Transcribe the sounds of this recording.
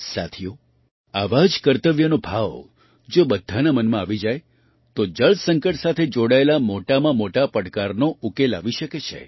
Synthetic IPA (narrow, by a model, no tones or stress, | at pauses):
sa̰t̪ʰijo | aʋad͡ʒkəɾt̪əʋjənobʱaʋ | d͡ʒobəd̪ʱːanamənmãaʋid͡ʒaj | t̪od͡ʒəɭsəŋkəʈsat̪ʰed͡ʒoɽaelamoʈamãmoʈapəɽkaɾnoukela̰ʋiʃəket͡ʃʰḛ